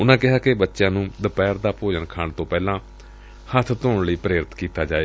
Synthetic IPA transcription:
ʊnãːkɪɦaːkɪbətːʃjãːnũːd̪əpɛːɾd̪aːpoːd͡ʒənkʰaːɳt̪õːpɛːlãː | hət̪ʰt̪oːɳləiːpəɾeːɾɪt̪kiːt̪aːd͡ʒaːeː

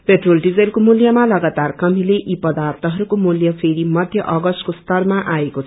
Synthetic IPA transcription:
peʈrolɖid͡zelkomuljamalʌɡat̪arkʌm̤ileʔipʌd̪art̪ʰʌɦʌɾukomuljʌpʰeɾimʌd̪ʱjʌʔʌɡʌsʈkost̪ʌrmaʔaekot͡sʰ

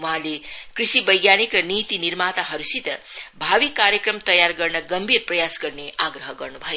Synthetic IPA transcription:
wuɦãlekrisibʌjɡjanikrʌnit̪inirmat̪aɦʌɾusit̪ʌbʱabikːaɾjekrʌmt̪ʌjarɡʌrnʌɡʌmbʱirprʌjasɡʌrneaɡrʌɦʌɡʌrnubʱʌje

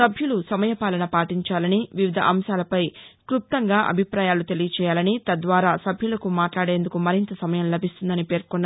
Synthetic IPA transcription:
sɐbʱjulusɐmɐjɐpaːlɐnɐpaːʈiɲt͡ʃaːlɐniʋiʋid̪ʱɐ̰ʔɐmʃaːlɐpɐjkɾup̚t̪ɐŋɡaːʔɐ̰bʱipɾaːjaːlut̪e̞lijɐt͡ʃɛːjaːlɐnit̪ɐd̪ʋaːɾaːsɐbʱjulɐkumaːʈlaːɽe̞ːnd̪ukumɐɾint̪ɐsɐmɐjɐmlɐbʱist̪und̪ɐnipe̞ːɾkunː

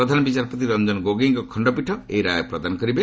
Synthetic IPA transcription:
ɾɔd̪ʱanɔbit͡ʃaɾpot̪iɾɔmd͡ʒɔnɡoɡiŋkɔkʰɔɳɖɔpiʈʰɔejɾajɔpɾɔd̪anɔkɔɾibe

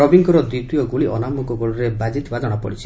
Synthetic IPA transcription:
ɔbiŋɡɔɾɔd̪ɾit̪ujɔɡuɭiʔɔnamukɔɡɔɭɔɾebad͡ʒit̪bad̪ʱɔɽ̃ɔpɔ̰ɽit͡ʃʰi̥

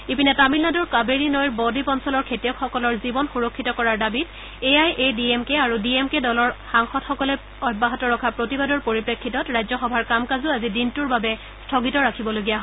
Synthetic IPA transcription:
ipinɛtamilnadɔɹkabeɹinɔjɹbɔdipɔnsɔlɔɹkʰetijɔkxɔkɔlɔɹzibɔnxuɹɔkʰːitɔkɔɹaɹdabit | eajʔediemkɛaɹudiemkɛdɔlɔɹxaŋxɔtxɔkɔlɛ | ɔjbaɦatɔɹɔkʰapɹotibadɔɹpoɹipɹekʰːitɔtɹajzɔxɔbʱaɹkamkazuazidintuɹbabɛ | stʰoɡitɔɹakʰibɔloɡijaɦɔ

